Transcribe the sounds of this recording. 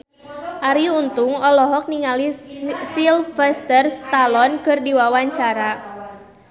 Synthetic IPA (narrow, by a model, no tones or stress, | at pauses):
ʔaɾiunt̪ʊŋɔlɔɦɔk̚niŋalisilfɛst̪ərst̪alɔnkɨrdiwawaɲt͡ʃaɾa